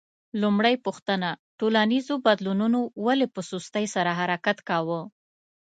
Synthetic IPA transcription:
lumɽajpuxt̪ənaʈolanizobad̪lununowalepəsust̪əjsaɾaɦaɾakat̪kɑwə

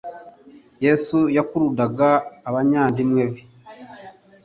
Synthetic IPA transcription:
jesujakuɾudaɡaːβaɲaːndimwevi

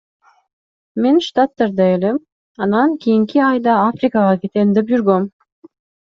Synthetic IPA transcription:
menʃt̪at̪ːɑɾd̪ɑelem | ɑnɑŋkʰʲijiŋkiɑjd̪ɑafrʲikɑʁɑkʲet̪end̪ep̚d͡ʒyɾɡøm

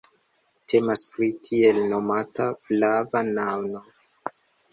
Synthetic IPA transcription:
tʰe̞maspɾitʰie̞lno̞mataflavanawno̞

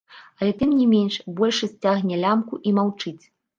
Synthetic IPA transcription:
ɐlʲɛt̪ɨmnʲimʲenʂbɔlʲʂɐsʲt͡sʲaɣnʲɛlʲamkuʔimawt͡ʂɨt͡sʲ

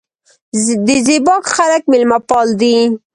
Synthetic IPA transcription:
d̪əzɪbɑkxalak̚mɪlmapɑld̪i

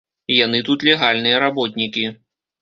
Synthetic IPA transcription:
jan̪ɨt̪ut̪lʲɛɣalʲnɨjɐɾabɔt̪nʲikʲi

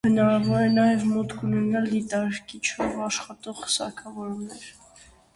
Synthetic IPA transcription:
hənɑɾɑvɔɾɛnɑjɛvmɔt̪kʰunɛnɑld̪it̪ɑɾkit͡ʃʰɔvɑʃχɑt̪ɔʁə̥sɑ̰kʰɑvɔɾumnɛɾ

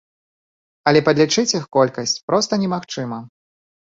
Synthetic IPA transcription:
ɐlʲɛpɐd̪lʲit͡ʂɨt͡sʲixkɔlʲkɐsʲt͡sʲpɾɔst̪ɐnʲɛmaxt͡ʂɨmɐ

